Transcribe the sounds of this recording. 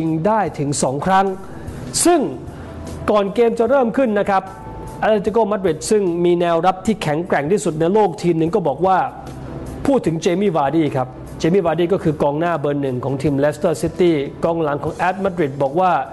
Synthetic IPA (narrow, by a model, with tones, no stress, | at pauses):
i˧ŋdaː˥˩jt̪ʰɯ˩˦ŋsɔː˩˦ŋkʰɾa˦˥ŋ | sɯ˥˩ŋ | kɔː˨˩nkeː˧mt͡ɕa˨˩ɾɤː˥˩mkʰɯ˥˩nːa˦˥kʰa˦˥p̚ | ʔa˧lt̪i˧kɔː˥˩ma˦˥t̪̚ɾi˨˩t̪̚sɯ˥˩ŋmiː˧nɛː˧wɾa˦˥p̚t̪ʰiː˥˩kʰɛ˩˦ŋkɾɛ˨˩ŋt̪ʰiː˥˩su˨˩t̪̚na˧jloː˥˩k̚t̪ʰiː˧mnɯ˨˧ŋkɔː˥˩bɔː˨˩k̚waː˥˩ | pʰuː˥˩t̪ʰːɯ˩˦ŋt͡ɕeː˧miː˥˩waː˧diː˥˩kʰa˦˥p̚ | t͡ɕeː˧miː˥˩waː˧diː˥˩kɔː˥˩kʰɯː˧kɔː˧ŋnaː˥˩bɤː˧nːɯ˨˩ŋkʰɔː˩˦ŋt̪ʰiː˧mlɛː˦˥st̪ɤː˥˩si˦˥t̪iː˥˩kɔː˧ŋla˩˦ŋkʰɔː˩˦ŋʔɛː˦˥t̪̚ma˦˥t̪̚ɾi˨˩t̪̚bɔː˨˩k̚waː˥˩